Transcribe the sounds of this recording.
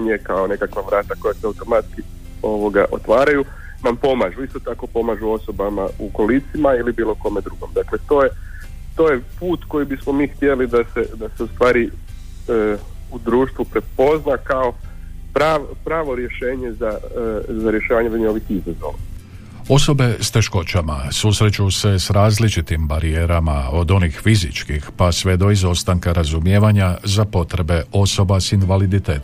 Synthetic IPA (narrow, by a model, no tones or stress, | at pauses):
ɲekao̞ne̞kakʋaʋɾaːt̪ako̞jaseawt̪o̞mat̪ki | o̞ʋoɡa̰ʔo̰t̪ʋaːɾaju | nampo̞maʒuist̪ot̪ako̞po̞maːʒuo̞so̞bamauko̞lit̪simailibiːlˠo̞ko̞me̞d̪ɾuɡo̰md̪akle̞t̪o̞ːje | t̪o̞ːjepuːt̪ko̞jibismo̞miːxt̪je̞lid̪ased̪ase̞ust̪ʋaːɾi | ud̪ɾuːʃt̪ʋupɾe̞po̞znakao̞ | pɾaːʋpɾaːʋo̞ɾje̞ʃeːɲezazaɾjeʃaːʋaɲeeioʋixizazo̰ʋa | o̞so̞be̞st̪e̞ʃko̞t͡ʃama̰susɾe̞t͡ʃuse̞sɾaːzlit͡ʃit̪imbaɾije̞ːɾama̰o̞d̪o̞nixfizit͡ʃkixpasʋe̞d̪o̞izo̞st̪aŋkaɾazumje̞ːʋaɲazapo̞t̪ɾe̞be̞o̞so̞basinʋalid̪it̪e̞ːt̪